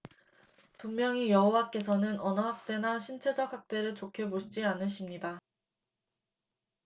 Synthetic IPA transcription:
puŋmjʌŋijʌɦowak͈e̞sʰʌnɯnʌnʌɦak̚t͈e̞naɕʰint͡ɕʰe̞d͡ʑʌkɦak̚t͈e̞ɾɯɭt͡ɕokʰe̞boɕʰid͡ʑianɯɕʰimɲida

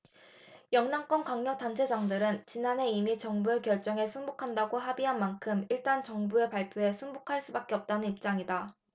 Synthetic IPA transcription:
jʌŋnaŋk͈ʌnkaŋɲʌk̚t͈ant͡ɕʰe̞d͡ʑaŋdɯɾɯnt͡ɕinanɦe̞imit͡ɕʌŋbue̞kjʌɭt͡ɕ͈ʌŋe̞sʰɯŋbokʰandaɡoɦabiɦanmankʰɯmiɭt͈ant͡ɕʌŋbue̞paɭpʰjoɦe̞sʰɯŋbokʰaɭs͈ubak͈e̞ʌp̚t͈anɯnip̚t͡ɕ͈aŋida

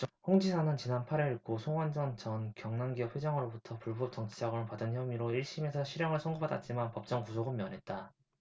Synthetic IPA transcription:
ɸoŋd͡ʑisʰanɯnt͡ɕinanpʰaɾiɾiɭk͈osʰoŋwand͡ʑʌnt͡ɕʌnkjʌŋnaŋɡiʌp̚ɸwed͡ʑʌŋɯɾobutʰʌpuɭbʌp̚t͡ɕ͈ʌŋt͡ɕʰid͡ʑaɡʌɯnpadɯnçjʌmiɾoiɭɕ͈ime̞sʰʌɕʰiɾjʌŋɯɭsʰoŋɡobada̰t̚t͡ɕ͈imanpʌp̚t͡ɕ͈ʌŋkusʰoɡɯmːjʌnɦe̞t̚t͈a

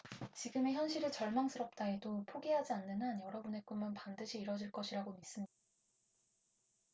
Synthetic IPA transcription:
t͡ɕiɡɯme̞çjʌnɕʰiɾɯt͡ɕʌɭmaŋs͈ʰɯɾʌp̚t͈aedopʰoɡeɦad͡ʑianːɯnanjʌɾʌbune̞k͈unmanpandɯɕʰiːɾʌd͡ʑiɭk͈ʌɕʰiɾaɡomis͈ɯmɲida

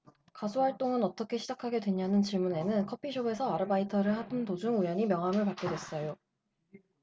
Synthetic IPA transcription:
kasʰuɦaɭt͈oŋɯnʌt͈ʌkʰe̞ɕʰid͡ʑakʰaɡe̞dwe̞ɲanɯnt͡ɕiɭmune̞nɯnkʰʌpʰiɕʰobe̞sʰʌaɾɯbaitʰʌɾɯɭhabɯntod͡ʑuŋujʌɲimjʌŋɦamɯɭpak͈̚e̞dwe̞s͈ʌjo

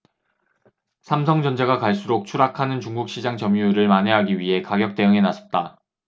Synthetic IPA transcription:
sʰamsʰʌŋd͡ʑʌnd͡ʑeɡakaɭs͈uɾok̚t͡ɕʰuɾakʰanɯnt͡ɕuŋɡuk̚ɕ͈ʰid͡ʑaŋt͡ɕʌmuuɾɯɭmane̞ɦaɡiɥiɦe̞kaɡjʌk̚t͈e̞jɯŋe̞nasʰʌp̚t͈a

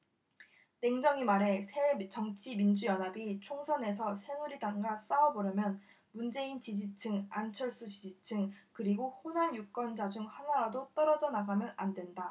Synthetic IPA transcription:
te̞ŋd͡ʑʌŋimaɾe̞sʰe̞t͡ɕʌŋt͡ɕʰimind͡ʑujʌnabit͡ɕʰoŋsʰʌne̞s̬ʰʌsʰe̞ŋuɾidaŋɡas͈aʌbʌɾjʌmjʌn | mund͡ʑe̞int͡ɕid͡ʑit͡ɕʰɯŋant͡ɕʰʌɭs͈ut͡ɕid͡ʑit͡ɕʰɯŋkɯɾiɡohonanjuk͈ʌnd͡ʑad͡ʑuŋhanaɾadot͈ʌɾʌd͡ʑʌnaɡamjʌnandwe̞nda

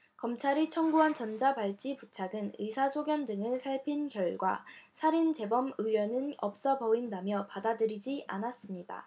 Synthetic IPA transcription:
kʌmt͡ɕʰaɾit͡ɕʰʌŋbuɦant͡ɕʌnd͡ʑapaɭt͡ɕ͈iput͡ɕʰaɡɯnɯsʰasʰoɡjʌndɯŋɯɭsʰaɭpʰinkjʌɭɡwasʰaɾint͡ɕe̞bʌmɯjʌnɯnʌp̚s͈ʌbʌindamjʌpadadɯɾid͡ʑiʔa̰nas͈ɯmɲida̰

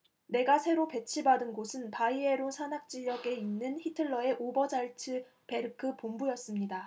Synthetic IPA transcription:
ne̞ɡasʰe̞ɾope̞t͡ɕʰibadɯnɡosʰɯnpaie̞ɾosʰanak̚t͡ɕ͈iʎʌɡe̞inːɯnçitʰɯɭːʌe̞ʔobʌd͡ʑaɭt͡ɕʰɯ | pe̞ɾɯkʰɯpombujʌs͈ɯmɲida

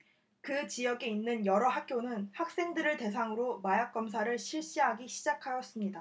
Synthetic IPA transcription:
kɯt͡ɕijʌɡe̞inːɯnjʌɾʌɦak͈̚ʰjonɯnhak̚s͈e̞ŋdɯɾɯɭte̞s̬ʰaŋɯɾomajak̚k͈ʌms̬ʰaɾɯɭɕʰiɭɕ͈iɦaɡiɕʰid͡ʑakʰajʌs͈ɯmɲida

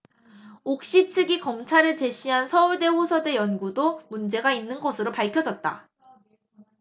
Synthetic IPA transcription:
ok̚ɕ͈itʰɯɡikʌmt͡ɕʰaɾɯt͡ɕe̞ɕ͈ʰiɦansʰʌuɭde̞ɸosʰʌde̞jʌnɡudomund͡ʑe̞ɡainːɯnɡʌsʰɯɾopaɭkʰjʌd͡ʑʌt̚t͈a̰

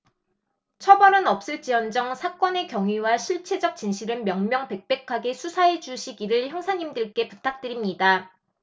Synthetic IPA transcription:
t͡ɕʰʌbʌɾɯnʌp̚s͈ɯɭt͡ɕ͈iʌnd͡ʑʌŋsʰak͈ʌne̞kjʌŋɥiwaɕʰiɭt͡ɕʰe̞d͡ʑʌk̚t͡ɕ͈inɕʰiɾɯɭmjʌŋmjʌŋpe̞k̚p͈e̞kʰaɡe̞sʰusʰaed͡ʑuɕʰiɡiɾɯɭçjʌŋsʰaɲimdɯɭk͈e̞putʰak̚t͈ɯɾimɲida

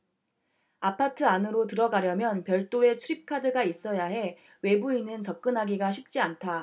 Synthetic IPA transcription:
apʰatʰɯanɯɾotɯɾʌɡaɾjʌmjʌnpjʌɭt͈oe̞t͡ɕʰuɾip̚kʰadɯɡais͈ʌjaɦe̞ | we̞buinɯnt͡ɕʌp̚k͈ɯnɦaɡiɡaɕʰip̚t͡ɕ͈iantʰa

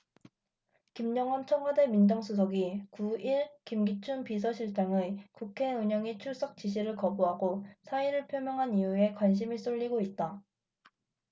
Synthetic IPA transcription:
kimɲʌŋʌnt͡ɕʰʌmwade̞mind͡ʑʌŋsʰus̬ʰʌɡikuiɭkimɡit͡ɕʰunpis̬ʰʌɕʰiɭt͡ɕ͈aŋɯkukʰe̞uɲʌŋit͡ɕʰuɭs͈ʌk̚t͡ɕ͈iɕ̬ʰiɾɯɭkʌbuɦaɡosʰaiɾɯɭpʰjomjʌŋɦanijue̞kwanɕ̬ʰimis͈oʎːiɡoit̚t͈a

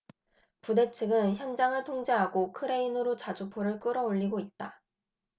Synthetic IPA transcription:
pude̞t͡ɕʰɯɡɯnçjʌŋd͡ʑaŋɯɭtʰoŋd͡ʑeɦaɡokʰɯɾe̞inɯɾot͡ɕad͡ʑupʰoɾɯɭk͈ɯɾʌoʎːiɡoit̚t͈a

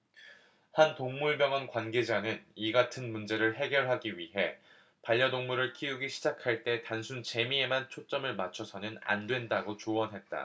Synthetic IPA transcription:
hantoŋmuɭbjʌŋʌnkwanɡe̞d͡ʑanɯniɡatʰɯnmund͡ʑe̞ɾɯɭɦe̞ɡjʌɭɦaɡiɥiɦe̞ | paʎːʌdoŋmuɾɯɭkʰiuɡiɕʰid͡ʑakʰaɭt͈e̞tansʰunt͡ɕe̞mie̞mant͡ɕʰot͡ɕ͈ʌmɯɭmat͡ɕʰʌsʰʌnɯna̰ndwe̞ndaɡot͡ɕoʌnɦe̞t̚t͈a̰

